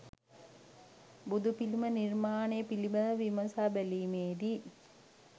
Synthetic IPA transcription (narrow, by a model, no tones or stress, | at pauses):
bud̪upilimənirmaːnejəpiliməʋiməsaːbæliːmeːd̪i